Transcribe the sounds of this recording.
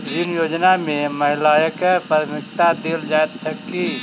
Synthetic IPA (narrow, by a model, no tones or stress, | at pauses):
d͡ʒɪnjoːd͡ʒnamẽməɦɪlaːjəkepəɾmɪkt̪ad̪eːld͡ʒaːet̪̚t͡ʃʰəkːi